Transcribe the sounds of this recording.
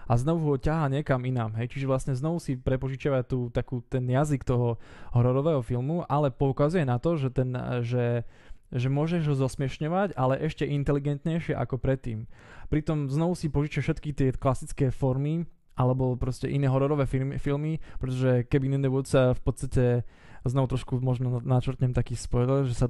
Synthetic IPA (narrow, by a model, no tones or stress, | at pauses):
aznɔʋuɦɔcaɦaːɲɪɛkaminamɦɛjt͡ʃiʒɛʋlasɲɛznɔʋusipɾɛpɔʒit͡ʃɪaʋat̪uːt̪akuːt̪ɛnjazikt̪ɔɦɔɦɔɾɔɾɔʋɛːɦɔfilmuʔalɛpɔukazujɛnat̪ɔʒɛt̪ɛnʒɛ | ʒɛmʊɔʒɛʒɦɔzɔsmɪɛʃɲɔʋacalɛʔɛʃcɛʔint̪ɛliɡɛnt̪ɲɛjʃɪɛʔa̰kɔpɾɛt̪ːḭːmpɾit̪ɔmznɔʋusipɔʒit͡ʃɛfʃɛt̪kit̪ɪɛklasit͡skɛːfɔɾmi | ʔalɛbɔpɾɔscɛʔinɛːɦɔɾɔɾɔʋɛːfilmipɾɛt̪ɔʒɛkɛbinɛnd̪ɛʋʊɔt̪safpɔt̪t͡sst̪acɛ | znɔʋut̪ɾɔʃkumɔʒnɔnat͡ʃɾt̪ɲɛmt̪akiːspɔɾilʒɛsa